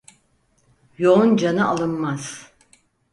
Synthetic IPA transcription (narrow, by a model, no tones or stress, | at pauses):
jo̞und͡ʒanɯʔalˠɯnmaz̥